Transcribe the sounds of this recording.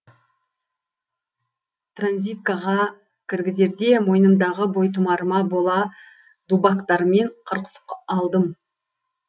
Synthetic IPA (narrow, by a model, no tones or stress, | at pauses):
t̪ranzʲijt̪̚kɑʁɑ | kʲʰɪɾɡʲɪze̞ɾd̪e̞mo̞jnəmd̪ɑʁəbo̞jt̪ʰʊmɑɾəmɑbo̞lˠɑ | d̪̥ubɑkt̪ɑɾme̞ɴqʰəɾqə̥sə̥pɑlˠd̪əm